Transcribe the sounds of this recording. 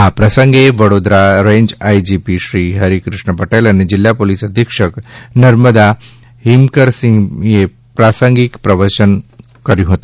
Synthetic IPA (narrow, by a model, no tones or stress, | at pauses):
ɦapɾəsəŋɡeʋəɽod̪ɾaɾẽɲd͡ʑajd͡ʑipiɕɾiːɦəɾikɾuʂɳəpəʈelañed͡ʑil̤japolisəd̪ʱjəkʂəknəɾməd̪a | ɦimkəɾsiŋɡje | pɾasəŋɡikpɾəʋəɾt͡ɕən | kəɾjũɦot̪u